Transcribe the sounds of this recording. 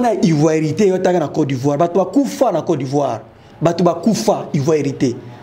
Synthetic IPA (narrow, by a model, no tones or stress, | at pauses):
naʔivwaɾitejɔtakanakɔdivwabatobakufanakɔdivwaɾ | batubakufaivwaɾite